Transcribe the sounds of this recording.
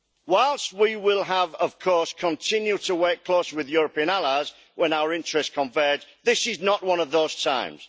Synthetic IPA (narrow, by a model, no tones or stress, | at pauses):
waɪlˠst̚wiwɪlˠəvəv̥kʰɔɹskʰə̃ntʰɪ̃njʉtʰəwɜkkʰl̥oʊswɪðjɔɹəpĩə̃nalaɪz | wʔə̃naʊə˞ɪ̃nt͡ʃɹ̥ɛstkʰə̃ɱvɜːdðɪsɪznəʔwʌ̃nʌvðoʊz̥tʰã̰ɪ̃mz̥